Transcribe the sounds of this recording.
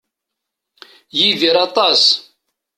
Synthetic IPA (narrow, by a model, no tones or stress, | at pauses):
jiðiɾɑt̪ˤɑs